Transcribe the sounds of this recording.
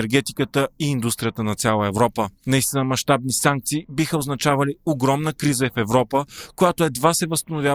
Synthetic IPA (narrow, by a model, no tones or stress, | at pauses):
ɛɾɡɛt̪i̥kət̪əiːnd̪ust̪ɾijət̪ənɐt̪sʲalˠəɛvɾɔpənɐist̪inəmɐʃt̪ab̚nisaŋk̚t̪siːbixəoznɐt͡ʃavɐlioɡɾɔmnəkɾizəɛfɛvɾɔpəkojat̪oɛd̪vasɛvəst̪ɐnʊvʲja